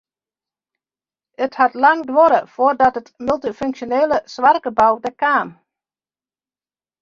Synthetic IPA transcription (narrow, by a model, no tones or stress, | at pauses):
əthatlɑŋdʋɔɾəfoːrdɔtətmylˠtiføŋsjoneːləsʋarɡəbɔwdəkaːm